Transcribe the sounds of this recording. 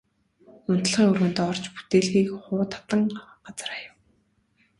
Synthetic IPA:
ʊn̥t̪̆ɮʁiːɵrɣɘ̆nt̪ɔːr̥t͡ɕput̪eːɮxiːkχʊːt̪ʰḁt̪ə̆ŋɢ̥at͡sə̆rajə̆w

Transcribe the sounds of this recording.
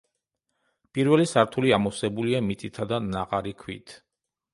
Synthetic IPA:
pʼiɾvɛlisaɾt̪ʰuliamɔsɛbuliamit̪sʼit̪ʰad̪anaqʼaɾikʰwḭt̪ʰ

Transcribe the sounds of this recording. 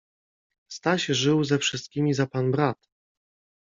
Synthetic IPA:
st̪aɕʐɘwzɛfʂɘst̪̚kʲimʲizapanbɾat̪

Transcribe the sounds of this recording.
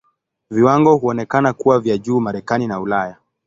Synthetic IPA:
viwaŋɡɔhuɔnɛkanakuwavjaʄuːmaɾɛkaninaulaja

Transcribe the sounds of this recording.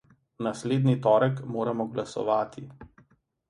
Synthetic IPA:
nasleːd̪nit̪ɔːɾəkmoːɾamɔɡlasɔ̰ʋaːt̪ʰi

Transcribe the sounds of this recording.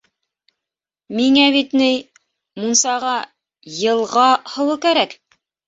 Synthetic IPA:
miŋæβit̪nɘj | munsɑʁɑ | jɤ̆lˠʁɑhɤ̆wɤkæɾæk

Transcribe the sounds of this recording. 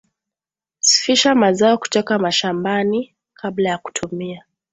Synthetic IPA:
si̥fiʃamazaɔku̥tɔkamaʃambani | kʰablajaku̥tʰumia

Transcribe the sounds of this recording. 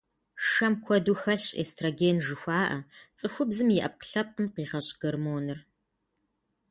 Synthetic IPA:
ʂɐmkʷʰɔduːxɐɬɕʼḛstʰroɡeːnʒɨxʷɑːʔɐ̰t͡sʼɨxʷʊbzɨmjɪʔɐp̚qə̥ɬɐp̚qəmqiːʁɐɕʼɡ̥ɐrmoːnɨr

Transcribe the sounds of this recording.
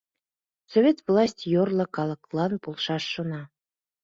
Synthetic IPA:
sovʲet̪vlˠɑsʲtʲjorlˠɤ̆kɑlˠɤ̆klˠɑnpolˠʃɑʃːonɑ

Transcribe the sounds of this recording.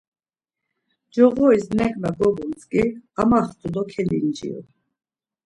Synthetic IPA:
d͡ʒɔɣɔisnɛkʼmɛɡɔbunt͡sʼkʼiamaχt̪ʰʼud̪ɔkʰɛlḭnd͡ʒḭṵ

